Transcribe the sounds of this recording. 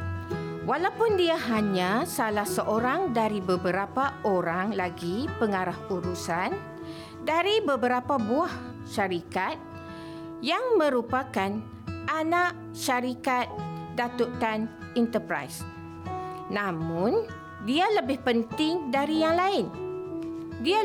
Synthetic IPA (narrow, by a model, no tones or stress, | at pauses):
walawpʊndiaɦaɲãsalahsəʔoɾaŋdaɾibəbəɾapaoɾaŋlaɡipəŋaɾahuɾusan | daɾibəbəɾapabuah | ʃaɾikat̪̚ | jaŋmə̃ɾupakan | ʔanãʔ | ʃaɾikat̪̚dat̪ut̪an | int̪əpɾa̰js | nãmʊ̃n | dialəbɪhpənt̪ɪŋdaɾijaŋlaɪn | dia